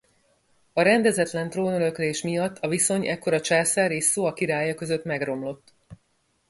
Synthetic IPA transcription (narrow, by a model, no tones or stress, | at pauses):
ɒɾɛnd̪ɛzɛt̪lɛnt̪roːnøɾø̞kleːʃmijɒt̪ːɒviso̞ɲɛkːo̞ɾɒt͡ʃaːsaːɾeːsːoːɒkiɾaːjɒkø̞zø̞t̪mɛɡro̞mlo̞t̪ː